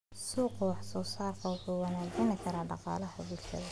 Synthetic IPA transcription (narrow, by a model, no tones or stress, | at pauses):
suːqʊwɑħsɔːsaːrkʰɐwʊħuːwɑnaːɡɐnɪkʰɐɾaːɖɑqɑ̰ːlɐhʊβuːlʃʰɐ̰ðɐ